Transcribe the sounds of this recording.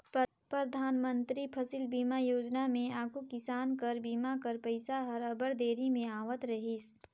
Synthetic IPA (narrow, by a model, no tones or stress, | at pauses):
p | pɾəd̪ʱaːnmə̃nt̪ɾipʰɐsɪlbiːmajoːd͡ʒnamẽaːkʰukɪsaːnkəɾbiːmakɐɾpəɪsaɦɐɾəbəɽd̪eːɾimẽaːʋət̪ɾɐɦis